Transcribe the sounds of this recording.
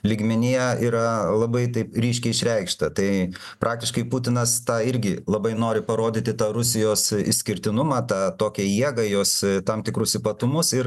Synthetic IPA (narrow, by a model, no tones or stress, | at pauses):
lʲɪɡmʲɛnʲijɛiːɾɐlˠɐbɐɪt̪ɐɪpɾʲiːʃʲkʲɛɪɪʃʲɾʲɛɪkʃt̪ɐt̪ɐɪ | pɾʔɑːk̚t̪ʲɪʃkɐɪpʊt̪ʲɪnɐst̪ɑːɪɾʲɡʲɪlˠɐbɐɪnoːɾʲɪpɐɾoːd̪ʲɪt̪ʲɪt̪ɑːɾʊsʲɪjoːsɪ̰ʃʲsʲkʲɪɾʲt̪ʲɪnʊmɑːt̪ɑːt̪oːkʲɛjiɛɡɐjoːst̪ɐmt̪ʲɪkɾʊsɪpɐt̪ʊmʊsɪɾ